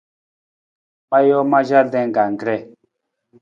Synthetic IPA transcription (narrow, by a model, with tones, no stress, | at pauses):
ɓa˦jɔ˦ma˦ʒa˦ɾd̪ɛ̃˦˨ɡa˨ŋ˨ɡɾɛ˦˨